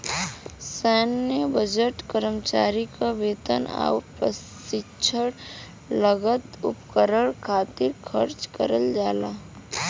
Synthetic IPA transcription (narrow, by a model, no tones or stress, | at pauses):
sɛːnːebəd͡ʒeʈkəɾəmt͡ʃaːɾikabeːt̪ə̰na̰ːʊpə | sɪt͡ʃʰəɽ | ləɡət̪ʊ̰pkəɾəɽkʰaːt̪ɪɾkʰəɾt͡ʃkəɾəld͡ʒaːlaː